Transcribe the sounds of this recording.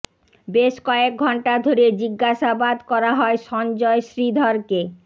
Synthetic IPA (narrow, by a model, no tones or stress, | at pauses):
beʃkɔek̚ɡʱɔɳʈad̪ʱoɾed͡ʑiɡːaʃabad̪kɔɾaɦɔeʃɔnd͡ʑɔeʃɾid̪ʱɔɾke